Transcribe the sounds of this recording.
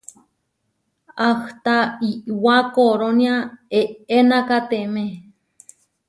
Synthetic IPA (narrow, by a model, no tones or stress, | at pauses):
aht̪aiʔwakoɾoniaeenãkat̪emẽ